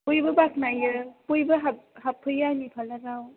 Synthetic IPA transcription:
pojbɯbak̚najɯpojbɯɦahapʰːɯjːanipʰalaɡaw

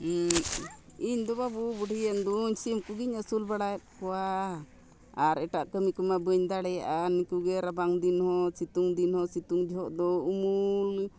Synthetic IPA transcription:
iɲd̪ɔbabubuɽʱijənɖuɲsimkuɡiɲəsulbaɽajɛt̪̚kɔwa | aɾɛʈaʔkəmikumabəɲd̪aɽɛjaʔanikuɡɛɾabaŋd̪inhɔsit̪uŋd̪inhɔsit̪uŋd͡ʒɔɦɔʔd̪ɔumul

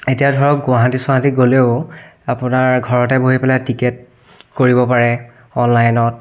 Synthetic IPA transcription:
etijadʱɔɹɔk̚ɡʊwaɦatiswaɦatiɡoleʊapʊnaɹɡʱɔɹɔtɛboɦipɛlajtiket̚ | koɹibɔpaɹɛ | ɔnlajnɔt̚

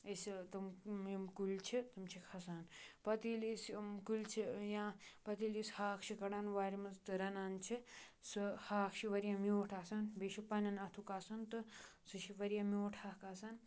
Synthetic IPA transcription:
ɐst̪ɨmimkulʲt͡ʃʰit̪ɨmt͡ʃʰikʰɐsaːnpɐt̪iːliskulʲt͡ʃʰijãːpɐt̪ilishaːkʰt͡ʃʰikɐɽaːnʋaːɾimɐzt̪ɨɾɐnaːnt͡ʃʰisɨhaːkʰʃʰiʋɐɾijãmʲoːʈʰaːsaːnbeʃipɐnɐnɐt̪ʰukaːsɐnt̪ɨsɨʃiʋɐɾijãmjoːʈʰaːkaːsaːn

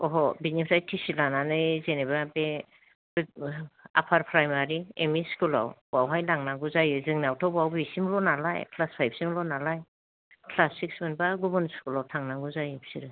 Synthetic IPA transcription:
ɔɦɔbinipʰsajtʰisilananɯjzenebabe | a̰pʰaɾpʰɾajmaɾiemiskula̰wbawɦajlaŋnaɡuzajɯzɯŋnawtʰɔwbawbisimlɔnala̰jkʰlaspʰajb̚ʰsimlɔnalaj | kʰlasːik̚smɯnbaɡubɔnskulawtʰaŋnaɡuzajɯbsiɾɯ

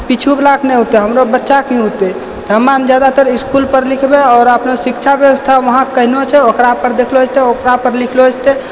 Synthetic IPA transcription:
pit͡ʃʰublaknɛɦot̪ɛɦəmɾobətːʃakiɦot̪ɛ | t̪ɔɦəmːand͡ʒjad̪at̪əɾiskulpəɾlikʰbeɔːɾəpnosikt͡ʃʰabjəwəst̪ʰaʋəɦãkəɦnot͡ʃʰɛokɾapəɾd̪ekʰloot͡ʃʰt̪ɛokɾapəɾlikʰloɦot͡ʃʰt̪ɛ

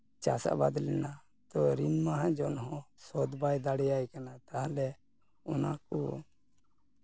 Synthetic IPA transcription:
t͡ʃa̰sa̰ʔba̰d̪lɛna | t̪ɔɾimmaɦãd͡ʒɔnɦɔ̃sɔd̪bajd̪aɽɛjajkanat̪aɦãlɛ | ɔna̰kɔ

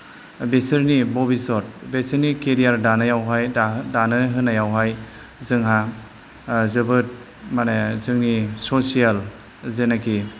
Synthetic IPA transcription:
besɯɾnibɔbisɔt̚besɯɾnikeɾijaɾdanajawɦajdanɯɦɯnajawɦaj | zɯŋɦa | zɯbɯt̚ | manezɯŋnisosijal | zenaki

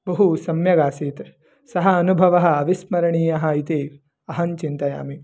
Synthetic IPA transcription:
bɐɦusɐmjɐɡaːsiːt̪ | sɐɦɐɐnubʱɐʋɐɦɐ̆ɐʋismɐɾɐɳiːjɐɦɐit̪eː | ɐɦɐnt͡ʃint̪ɐja̰ːmi

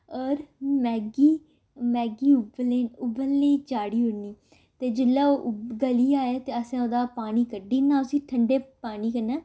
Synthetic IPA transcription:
ɔːɾmɛːɡiː | mɛːɡiːʊbleːʊbəlːeːt͡ʃaːɽiːɦʊɽniː | t̪eːd͡ʒɪlːaːoːɡəliːaːeːt̪eːəsẽːoːd̪aːpaːniːkəɖiːnːãːʊsĩːʈʰəɳɖeːpaːniːkənaː

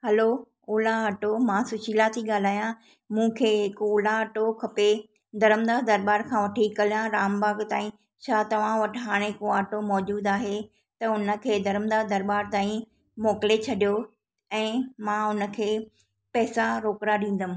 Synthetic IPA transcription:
hɐlo | ʊːlaɐʈomãsʊʃʰiːlat̪ʰiɠaːl̤aːjã | mũːkʰeːɦɪkʊːlaɐʈokʰɐpe | d̪ɐɾəmd̪aːd̪ɐɾbaːɾkʰãːʋɐʈʰikːɐlijãɾaːmbaːɡt̪aːĩ | t͡ɕʰaːt̪ɐʋ̤ãʋɐʈʰɦaːɽ̃ẽɦɪkoaːʈomɔːd͡ʑuːd̪aːɦe | t̪ɐʊnə̆kʰeːd̪ɐɾəmd̪aːd̪ɐɾbaːɾt̪aːĩ | mɔːkɪlet͡ɕʰɐɗijo | ɛ̃ːmãʊnə̆kʰeː | pɛːsaɾoːkɾaɗĩːn̆d̪əm̃

